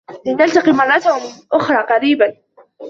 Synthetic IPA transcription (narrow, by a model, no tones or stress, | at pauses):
lɪnalt̪ɑqiːmɑrˤːɑt̪ahmɪʔʊxɾˤɑːqɑɾiːban